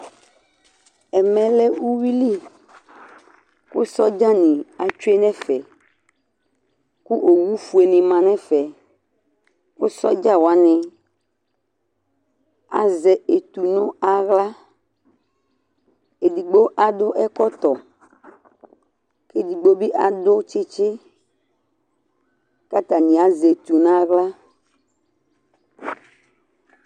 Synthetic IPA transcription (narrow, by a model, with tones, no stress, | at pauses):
ɛ˨mɛ̃˨lɛ˦wu˦wi˦li˦ | ko˦sɔ˦d͡ʒa˦nĩ˨a˨t͡ʃu˦e˦nɛ̃˦fɛ˨ | ku˦ʔo˨wu˦fu˨e˨nĩ˨mã˨nɛ̃˦fɛ˨ | wo˦sɔ˦d͡ʒa˦wo˨a˦nɛ̃˨ | a˨zɛ˨e˨t̪u˨nõ˦a˨ɣla˦ | e˨di˨ɡ͡bo˦ʔa˨ɖo˦ʔɛ˦kɔ˦t̪ɔ˨ | ke˦di˨ɡ͡bo˦be˦ʔa˨ɖo˦t͡ʃe˦t͡ʃe˦ | ka˦t̪a˨nĩ˨a˦ze˨t̪u˨nã˦˨ɣla˦